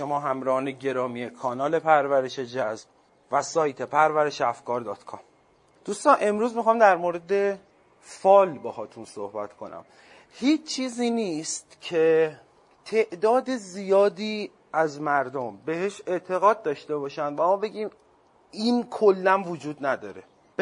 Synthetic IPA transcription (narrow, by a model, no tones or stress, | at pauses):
ʃomɒːɦæmɾɒːneɟe̞ɾɒːmiːekʰɒːnɒːle̞pʰæɾvæɾe̞ʃe̞d͡ʒæzb̥ | væsɒːjt̪ʰe̞pʰæɾvæɾeʃeæfkʰɒːɾd̪ɒːt̪kʰɒm | d̪̥ust̪ɒːnʔe̞mɾuːzmixɒːmd̪æɾmoɾe̞d̪e | fɒːlbehɒːt̪ʰunso̰hbæt̪ʰkʰo̞næ̰m | hiːt͡ʃt͡ʃʰːiːziːniːst̪cʰe̞ | t̪ʰe̞ʔd̪ɒːd̪ezijɒːd̪iː | æzmæɾd̪ombe̞heʃe̞t̪ʰe̞ɣɒːd̪̚ːɒːʃt̪e̞bɒːʃænd̪væmɒːbe̞ɟʲiːm | inkʰolːænvod͡ʒuːd̪næd̪ɒːɾe̞